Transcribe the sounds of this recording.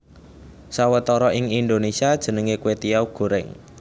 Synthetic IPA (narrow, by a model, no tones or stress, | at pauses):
sawət̪ɔɾɔʔɪŋind̪onesiad̥ʒ̥ə̤nəŋekuwet̪iawɡ̥o̤ɾɛŋ